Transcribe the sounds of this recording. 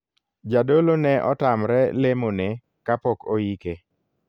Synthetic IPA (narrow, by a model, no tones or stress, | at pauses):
d͡ʒadolonɛʔɔ̰tamɾɛlemone | kapɔkoike